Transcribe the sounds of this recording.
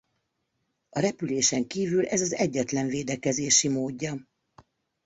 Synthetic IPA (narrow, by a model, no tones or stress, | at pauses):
ɒɾɛpyleːʃɛŋkiːvylʔɛzɒzɛɟːɛt̪lɛɱveːd̪ɛkɛzeːʃimoːɟːɒ